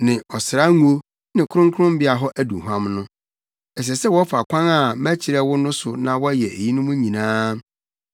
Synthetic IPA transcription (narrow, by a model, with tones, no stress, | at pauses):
nɪ̃˨ɔ˨sɪ˨ɾa˦ŋũ˦o˦ | nɪ̃˨kʰʊ˦ɾʊ̃˦ŋkʰʊ˦ɾʊ̃˦m˦bɪ˦a˨ɦɔ˦ʔæ˦dṵ˨ɦã˦mnʊ̃˦ | ɛ˨ɕ̬ɛ˨sɛ˦wɔ˦fa˨kʷʰã˦na˦˨mæ˦t͡ɕʰɪ˨ɾɛ˦wʊ˦nʊ̃˦sʊ˨nã˨wɔ˦jɛ˨ʔḛ˨ji˦nʊ̃˦mũ˦ɲĩ˨nãː˦